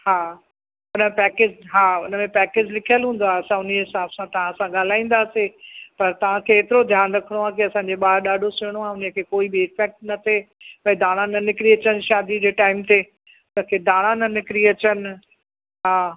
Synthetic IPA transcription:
haː | ʊnəepɛːkeːd͡ʑɦaːʊ̰nə̆mẽpɛːkeːd͡ʑlɪkʰijəlɦũːn̆d̪oaɦɐsãʊniɦɪsaːbsãt̪ɐʋ̤ãsãɠaːl̤aːĩːn̆d̪aːsepɐɾt̪ɐʋ̤ãkʰeːt̪ɪɾod̪ʱjaːnɾɐkʰəɽ̃oaːk̬iɐsãd͡ʑeɓaːɾɗaːɖʱosɪɽ̃oaʊnəkʰeːkoːibɪːfɛk̚ʈnɐt̪ʰe | pɐ̃ːd̪aːɽ̃ãnɐnɪkɾiɐt͡ɕənʃaːd̪id͡ʑeːʈaːɪmt̪ʰe | ʊnə̆kʰeːd̪aːɽ̃ãnɐnɪkɾiɐt͡ɕənɪ̆ | ɦaː

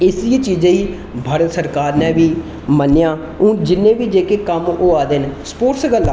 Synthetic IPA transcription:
ɪsit͡ʃiːd͡ʒãːiː | bʱaːɾət̪səɾkaːɾnɛ̃ːʋiː | mənːɪjãː | ũːd͡ʒɪnːẽːʋiːd͡ʒeːkeːkəmoːaːd̪enspoːɾʈsɡəlːaː

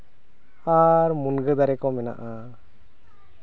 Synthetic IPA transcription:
aɾmunɡəd̪aɾɛkɔmɛna̰ʔa

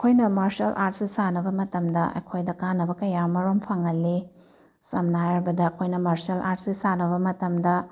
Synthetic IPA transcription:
ɐkʰojnɐmaɾsɐlʔaɾt̚sisanɐbɐmɐtɐmdɐɐ̰jkʰojdɐkanːɐbɐkɐjamɐɾompʰɐŋɐlːi | sɐmnajaɾbɐdɐːkʰojnɐmaɾsɐlʔaɾt̚sisanɐbɐmɐtɐmdɐ

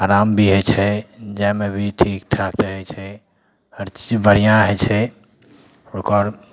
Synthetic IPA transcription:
aɾambʱiɦət͡ʃʰɛd͡ʒɛmebʱiʈʰikʈʰakt̪əɦɛjt͡ʃʰɛ | əɾt͡ʃbəɾijãɦəjt͡ʃʰɛ | okəɾ

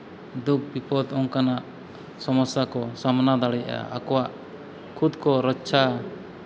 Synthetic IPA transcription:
d̪up̚bipɔd̪ɔŋkanaʔ | sɔmɔsjakɔsamnad̪aɽɛja̰a̰kɔwaʔ | kʰud̪kɔɾɔtːt͡ʃʰa

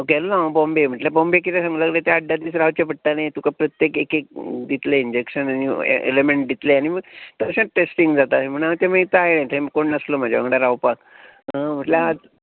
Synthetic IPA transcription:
okealunãbɔ̃mbem̤əʈlabɔ̃mbek̬it̪esãŋɡləɡlet̪aəɖːad̪iːsɾaʋt͡ɕepəʈʈ̪anajt̪ukapɾət̪jekekek̚d̪it̪leind͡ʑekɕənañḭḛlemeɳʈ̚d̪it̪leañimət̪əɕə̃ʈesʈiŋɡd͡zat̪aɦm̤əɽ̃aət̪eməit̪aajnãjt̪ʰəeməkoɳnəslom̤ad͡ʑeʋə̰ŋɽaɾawpak | ɦə̃m̤əʈljaad͡z

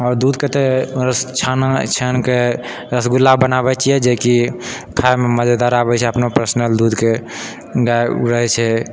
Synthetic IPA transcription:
ɔːɾd̪ud̪ket̪eɾəst͡ʃʰanat͡ʃʰənke | ɾəsɡulːabənabɛt͡ʃʰijɛd͡ʒeki | kʰaememəd͡ʒad̪aɾabɛt͡ʃʰɛəpnopɾəsnəld̪ud̪ke | ɡaeɾəɦɛt͡ʃʰɛ

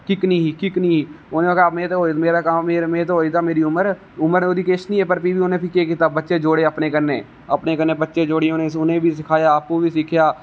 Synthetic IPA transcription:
kɪknĩːɦiːkɪknĩːɦiː | onẽːokamẽːt̪oɦoːimeːɾaːkamːeːɾmẽːt̪oɦoːiːt̪aːmeːɾiːʊməɾ | ʊməɾeoːd̪iːkeːʃənĩːɛːpəɾpiːbiːʊnẽːpʰɪkeːk̬iːt̪aːbətːʃeːd͡ʒoːɽeːəpneːkəɾneː | əpneːkənːeːbətːʃeːd͡ʒoːɽeʊnẽːʊnẽːbiːs̬ɪkʰaːjaːpuːʋiːsɪkʰjaː

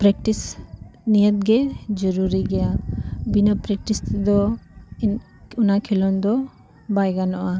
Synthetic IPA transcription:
pɾɛk̚ʈisnijət̪̚ɡɛd͡ʒɔɾuɾiɡɛjabinəpɾɛk̚ʈist̪ɛd̪ɔ | unakʰilɔnd̪ɔ | bajɡanɔʔa

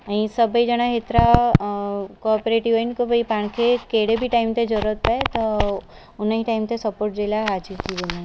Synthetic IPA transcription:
aĩsəbəid͡ʒəɽ̃aɦet̪ɾa | kɔɾpɾeʈiʋəinkobʱəipaɳ̃kʰekeɽebʱiʈaimt̪ed͡ʒəɾət̪̚paet̪ɔ | ʊnəɦiʈaimt̪esəpoːɾʈ̚d͡ʒelaɦat͡ʃik̪iɾenã

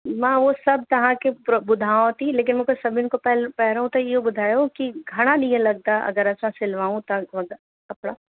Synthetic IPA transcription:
mãːʋosɐb̚ʱt̪ɐɦãkepɾbʊd̪ʱaːõt̪ĩleːk̬ɪnmũːkʰesɐbʱɪnkopɛlpɛɦɾɦũt̪ɐɪɦobʊd̪ʱaːjokiɡʱɐɽ̃aɗĩːə̃lɐɡ̚t̪aʔɐ̰ɡəɾɐsãsɪlʋaːũt̪ɐʋɐɡ | kɐpɽaː

